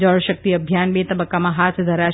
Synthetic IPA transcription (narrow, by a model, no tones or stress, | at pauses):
d͡ʒəɭʃək̚t̪iəbʱjanbet̪əbəkːamãɦat̪ʰd̪ʱəɾa